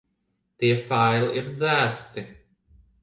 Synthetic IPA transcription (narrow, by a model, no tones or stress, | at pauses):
t̪iɛfajliiɾd̪zæːst̪i